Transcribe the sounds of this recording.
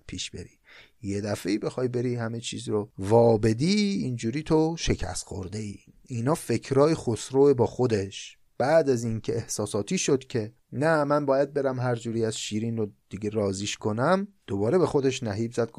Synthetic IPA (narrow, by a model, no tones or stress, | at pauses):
pʰiːʃb̥e̞̰ɾiː | je̞d̪æfeiːbe̞xɒːjbe̞ɾihæme̞t͡ʃʰiːzɾovɒːbe̞d̪iːind͡ʒuːɾiːt̪ʰoʃe̞cʰæ̰st̪xo̰ɾd̪e̞iː | inɒːfe̞kʰɾɒːjexosɾoːebɒːxod̪e̞ʃ | b̥æd̪æzincʰe̞ehsɒːsɒːt̪ʰiːʃod̪cʲʰe̞ | næmænbɒːjæd̪̚be̞ɾæmɦæɾd͡ʒuːɾiːæzʃiːɾiːnrod̪̥iɡeɾɒːziːʃkʰo̞næmd̪̥obɒːɾe̞be̞xo̞d̪e̞ʃnæɦiːbzæd̪̚ɡ